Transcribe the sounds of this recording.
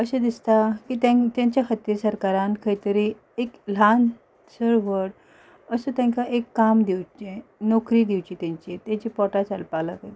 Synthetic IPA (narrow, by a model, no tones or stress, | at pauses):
əɕẽd̪ist̪akit̪ãt̪jãɲt͡ɕjaxat̪iːɾsəɾkaɾãnkʰəjt̪əɾi | ekl̤an | səɾʋəɽ | əsət̪jãŋkaʔekːamd̪iwt͡ɕẽnɔkɾid̪iwt͡ɕit̪jãɲt͡ɕiet̪jãt͡ɕipɔʈat͡salpalakaj